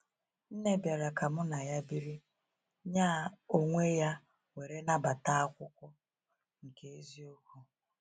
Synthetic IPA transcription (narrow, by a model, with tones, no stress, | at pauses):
n̩˦ne˦bja˨ɾa˨ka˨mʊ˦na˨ja˦bi˦ɾi˦ | ɲaː˦˨o˦ŋʷe˦ja˦ | we˨ɾe˦na˦ba˨ta˦a˦kʷʊ˦kʷʊ˦ | ŋ̩˨ke˦e˦zi˦o˦ku˦